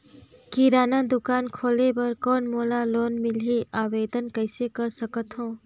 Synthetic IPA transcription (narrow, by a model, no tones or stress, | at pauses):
kiɾaːnənd̪ʊkaːnkʰoːlebəɾkɔːnmoːlaloːnmɪlɦiaːʋeːd̪ənkəɪsekəɾsəkət̪ɦõː